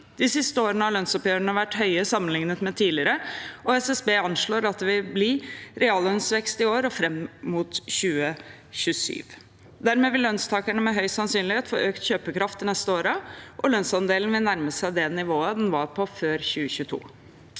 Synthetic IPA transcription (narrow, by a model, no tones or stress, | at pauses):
d̪̥ɪsɪst̪əoːɾənəɑlœnsɔpjøːɾəɳəʋæʈːhœʏəsɑmːənlɪŋnət̪mɛt̪ʰiːlɪəɾəʔɔɛsɛsbeːɑnʂɭoːɾɑt̪̚d̪ɛʋɪblɪɾɛɑːlœnsʋɛkst̪ɪoːɾɔfɾɛmmuːt̪çʉːə | çʉsy̰ːʋ | d̪æɾmɛːʋɪllːœnst̪ʰɑːkæɳəmɛɦœʏsɑnsyːnlɪheːt̪fɔɾøːkt̪çøːpəkʰɾɑft̪ɪnɛst̪əoːɾəʔɔlœnsɑnd̪eːlnʋɪlnæɾməsæɪd̪ɛnɪʋoːəd̪ɛnʋɑɾpʰɔføːɾçʉːəçʉːt̪ʰṵː